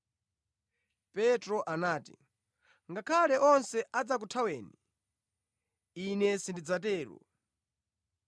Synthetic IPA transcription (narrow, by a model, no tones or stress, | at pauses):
pɛtɾɔʔanaːtḭ | ŋɡakʰalɛʔɔnsɛʔad͡zak̬utʰawɛːni | inɛsindid͡zatɛːɾɔ̰